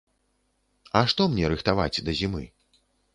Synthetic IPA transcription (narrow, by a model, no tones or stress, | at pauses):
ɐʂt̪ɔmnʲɛɾɨxt̪ava̰t͡sʲd̪ɐzʲimɨ̰